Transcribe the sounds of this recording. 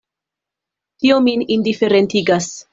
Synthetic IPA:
t̪iominind̪ifeɾent̪iɡas

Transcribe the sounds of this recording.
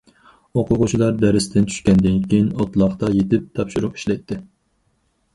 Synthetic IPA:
oqʰʊʁʊt͡ʃʰilˠɑɾd̪ɛɾɪst̪ʰɪnt͡ʃʰy̥ʃkʲɛnd̪ɪnkʲejinɑt̪lˠɑχt̪ɑjet̪ɪp̚t̪ʰɑpʃuɾuqi̥ʃlɛjt̪ʰːɪ

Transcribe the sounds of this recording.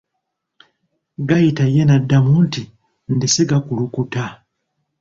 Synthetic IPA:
ɡajitajenadːamunti | ndiseɡakulukuta

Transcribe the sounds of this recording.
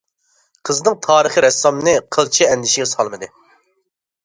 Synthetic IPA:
qʰəznɨŋt̪ʰɑːɾɨχɨɾɛsːɑmnɨqʰəlˠt͡ʃʰiɛnd̪ɪʃiɡʲɛsɑ̰lˠmɨd̪ɨ

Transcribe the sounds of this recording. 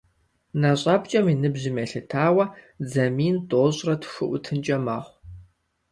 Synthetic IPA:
naɕʼɑːbt͡ʃʼɐminɨbʑɪmɐɬɨtʰaːwɐ | d͡zɐmiːntʼoːɕʼrɐtʰxɨʔʷʊtʰɨnt͡ʃʼɐma̰ːχʷ

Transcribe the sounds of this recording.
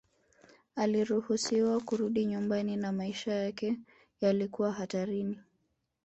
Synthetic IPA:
aliɾuhusiwakuɾuɗiɲumbaninamaiʃajakɛ | jalikuwaɦataɾini

